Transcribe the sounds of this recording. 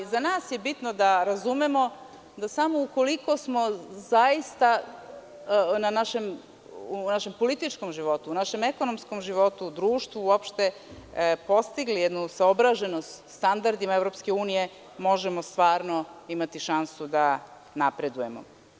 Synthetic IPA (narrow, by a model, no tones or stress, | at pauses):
zanaːsje̞bit̪nod̪aɾazumemo̞ | d̪asamouko̞liko̞smo̞zajist̪a | nanaʃe̞m | uunaʃe̞mpo̞lit̪it͡ʃko̞mʒiʋo̞t̪uunaʃe̞me̞ko̞no̞msko̞mʒiʋo̞t̪ud̪ɾuːʃt̪ʋuuopʃt̪e̞ | po̞st̪iɡlijed̪nusaobɾaʒe̞nost̪ | st̪and̪aɾd̪imaevɾo̞pske̞uːnije̞ | mo̞ʒe̞most̪ʋaːɾno̞imat̪iʃansud̪a | napɾe̞d̪uje̞mo̰